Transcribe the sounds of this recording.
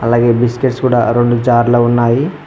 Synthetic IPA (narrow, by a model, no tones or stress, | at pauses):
ɐlaːɡe̞ːbiskeʈskuːɽa̰ːɾoɳɖud͡ʒaːɾloːunːaːji